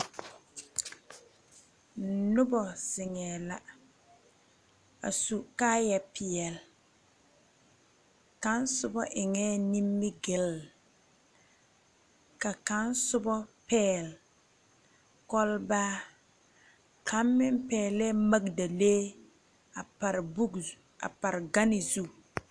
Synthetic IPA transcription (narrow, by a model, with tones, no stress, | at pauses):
nʊ˦bɔ˨sɪ˨ŋɛː˨la̰˨ | a̰˨su˨kaː˦jɛ˨pɪ˨ɛ˨l | ka˦n˦sʊ˦bɔ˦ʔɪ˨ŋɛː˦ni˦mːɪ˦ɡɪ˨˦l | ka˨ka˨˦nsʊ˦bɔ˦pɛː˦˨l | kɔ˦lbaː˦ | kʰa˨˦mːɪ˦mpɛː˨lɛ˦ma˦ɡda˨leː˦ | a˨a˨ɾbu˦ | a̰˨pa˨ɾɪ˨ɡa˦nɪ˨zu˦